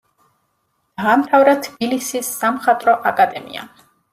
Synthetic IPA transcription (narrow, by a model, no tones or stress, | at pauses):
d̪̥aːmt̪ʰavɾat̪ʰbilisisːamχat̪ʼɾɔʔakʼad̪ɛmḭa̰